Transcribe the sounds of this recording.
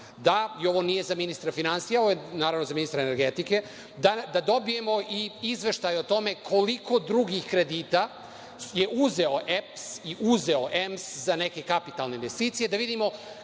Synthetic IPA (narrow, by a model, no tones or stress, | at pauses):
d̪aio̞ʋo̞nije̞zaminist̪ɾafinansijaoojenaːɾavno̞zaminist̪ɾaeneɾɡet̪ike̞ | d̪ad̪ad̪o̞bije̞mo̞ʔiizʋe̞ʃt̪ajot̪o̞me̞kʰo̞likʰo̞d̪ɾuɡixkɾe̞d̪iːt̪a | je̞ʔuze̞oʔepsiʔuze̞o̞ʔemszaneke̞kapit̪alˠneinʋe̞st̪iːt̪sije̞d̪aʋid̪imo̞